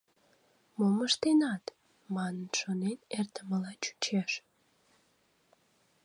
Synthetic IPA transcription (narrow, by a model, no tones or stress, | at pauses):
moməʃt̪enɑt̪ | mɑnənʃonenert̪əməlɑt͡ɕu̥t͡ɕeʃ